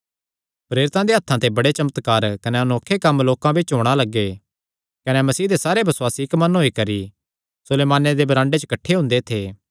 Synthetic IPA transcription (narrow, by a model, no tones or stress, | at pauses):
pɾeːɾɪt̪ãd̪eɦɐt̪ʰːãt̪ebɐɽet͡ʃɐmət̪kaːɾkɐnɛɐnoːkʰːekɐmloːkãbʱit͡ʃɦoːɽ̃alɐɡːe | kɐnɛmɐsiːd̪esaːɾebɐswaːsiɪkmɐnɦoːikɐɾi | sʊleːmaːned̪ebɐɾãːɳɖet͡ʃəkɐʈʰːeɦʊ̃nd̪et̪ʰeː